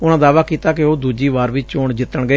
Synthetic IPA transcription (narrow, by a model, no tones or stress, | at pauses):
ʊnãːd̪aːʋaːkiːt̪aːkeoːd̪uːd͡ʒiːʋaːɾʋɪt͡ʃt͡ʃoːɳd͡ʒɪt̪ːəɳɡəeː